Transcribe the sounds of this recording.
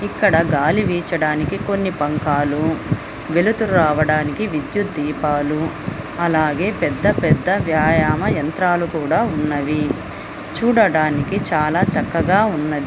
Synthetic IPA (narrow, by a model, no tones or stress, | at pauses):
ikːɐɽɐɡaːliʋiːt͡ʃɐɽaːnikiko̞nːipɐŋkaːlu | ʋelut̪ulɾaːʋɐɽaːnikiʋid̪jut̪̚d̪iːpaːlu | ɐlaːɡe̞ːpɛd̪ːɐpɛd̪ːɐʋjaːjaːmɐjɐnt̪ɾaːlukuːɽaːunːɐʋi | t͡ʃuːɽɐɽaːnikit͡ʃaːlaːt͡ʃɐkːɐɡaːunːɐd̪i